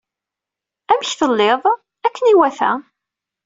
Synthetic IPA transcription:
æməçθəlːeðˤ | ækːəniwæθæ̰

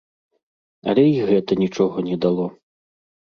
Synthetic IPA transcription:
ɐ̰lʲɛiɣɛt̪ɐnʲit͡ʂɔɣɐnʲɛd̪alˠɔ

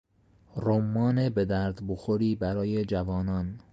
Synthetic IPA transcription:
romːɒːnebe̞d̪æɾd̪boxoɾiːbæɾɒːje̞d͡ʒævɒːnɒːn

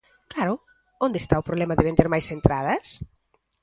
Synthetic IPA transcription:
klaɾʊ | ond̪est̪aʊpɾoβlɛmɐðɪβend̪eɾmajsent̪ɾað̞ɐs

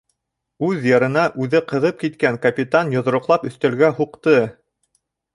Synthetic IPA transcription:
ʉðjɤ̆ɾɤ̆nɑʔʉðɘqɤ̆ðɤp̚kit̪kæŋkɐpʲit̪anjŏðɾŏqlˠɑpɵ̆θt̪ælɡæhuqt̪ɤ

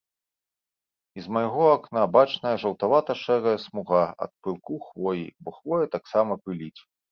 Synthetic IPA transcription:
izmajɣɔaknabat͡ʂnɐjɐʐɐwt̪avat̪ɐʂɛɣɐjɐsmuɣaɐ̰t̪̚pɨlˠkuxvɔjḭbɔxvɔjɛt̪aksamɐpɨlʲit͡sʲ

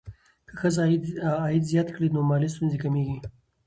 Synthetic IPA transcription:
kəxəzː | jit̪zjɑt̪klid̪nomalis̬t̪unzikamiɡi

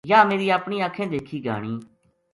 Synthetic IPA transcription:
jaːmeːɾiːaːpɳiːaːkʰẽːd̪eːkʰiːɡʱa̰ːɽ̃iː

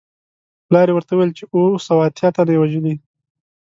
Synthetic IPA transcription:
plɑɾewəɾt̪awuwjelt͡ʃeosawɑt̪jɑt̪anawaʒəli

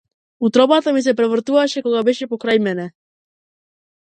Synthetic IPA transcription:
ut̪ɾɔbat̪amis̬ɛpɾɛvr̩t̪uvaʃɛkɔɡabɛʃɛpɔkɾajmɛnɛ

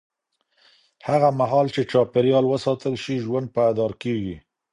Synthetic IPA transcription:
haɣamaɦɑlt͡ʃet͡ʃɑpɪɾjɑlwəsɑt̪əlʃiʒwand̪̚paad̪ɑɾkeɡi

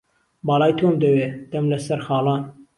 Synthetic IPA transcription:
bɑːlˠɑːjt̪ʰomd̪ɐweːd̪̥ɐmlɐsɐɾxɑːlˠɑːn

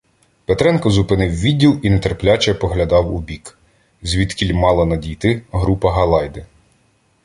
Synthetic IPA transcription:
pet̪ɾɛnkɔzʊpɪnɪwʋʲidʲːilˠinet̪erplʲat͡ʃɛpɔɦlʲɐd̪ɑwubʲik | zʲʋʲid̪kʲilʲmɑlˠɐnɐdʲijt̪ɪɦɾupɐɦɐlˠɑjd̪ɪ

